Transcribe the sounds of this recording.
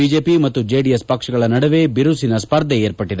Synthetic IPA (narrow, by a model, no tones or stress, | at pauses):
biːd͡ʒeːpimɐt̪ːud͡ʒe̞ːɖijɐspɐkʂɐɡɐɭɐnɐɽɐʋe̞biɾusinɐspɐɾd̪ʱeeːɾpɐʈːid̪e